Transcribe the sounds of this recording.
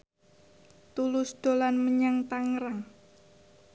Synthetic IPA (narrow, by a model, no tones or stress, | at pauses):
t̪ulʊsd̪̥o̤lanməɲaŋt̪aŋɾaŋ